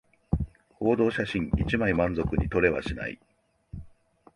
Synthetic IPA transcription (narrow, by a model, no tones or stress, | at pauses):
ho̞ːd̪o̞ːɕaɕĩŋit͡ɕimaimãnzo̞kɯ̟ɲ̟it̪o̞ɾe̞βa̰ɕina̰ḭ